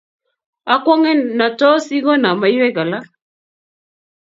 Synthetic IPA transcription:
a˦kwɔ˦ŋɛ˦na˨tɔ˦si˦ɣɔ˦na˨ma˨i˦wɛ˦ɣa˨la˦

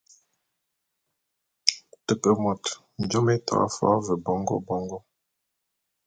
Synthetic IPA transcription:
tə˨pə˨mɔ˨t | n̩˨d͡ʒɔ˦mɛ˦ta̰˨a̰˦fa̰˦və˨bɔ˦ŋɡɔ̰˦bɔ˦ŋɡɔ˦

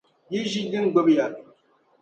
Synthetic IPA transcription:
ji˦ʒi˦li˦ŋ˦˨ɡ͡bə˦pja˨

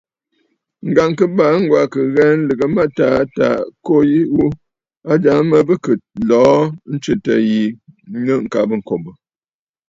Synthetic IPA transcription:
ŋ̩˨ɡa˨ŋkə˦ba˨˦ŋ̩˦ɡwa˨kə˨ɣɛ˦n̩˦lɨ˨ɡə˨ma˦ta˨˦ta̰˨ko˦ji˦wu˦ | a˦d͡ʒa˨ŋ˦mə˨bə˦kɨ˨t̚lɔː˨˦n̩˦t͡ʃɨ˨tə˨ji˨˦ə˦ŋ̩˨ka˨bə˦˨ŋ̩˨ko˨bə˨

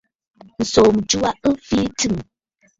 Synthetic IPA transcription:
n̩˨so˨m˨d͡ʒu˦a˦ʔɨ˦fi˦tɨ˦˨m

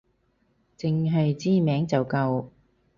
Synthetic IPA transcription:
t͡sɪ˧ŋɦɵ˧ɥt͡siː˥mɛː˨˥ŋt͡sɐ˨˩wkɐ˧w

